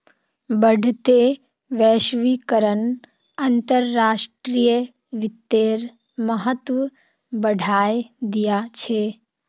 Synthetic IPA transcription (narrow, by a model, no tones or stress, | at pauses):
bəɖʱt̪e | ʋɛːʃʋikəɾən | ənt̪əɾːaːʃʈɾijə | ʋɪt̪ːeːɾ | məɦət̪ʋə | bəɖʱaːjd̪ijat͡ʃʰe